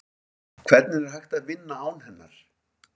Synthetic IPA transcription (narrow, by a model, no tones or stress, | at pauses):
kʰv̥ɛɾt̪nɪɾɛɾ̥hajxt̪aðvɪnːaaːwnhɛnːa̰ɾ̥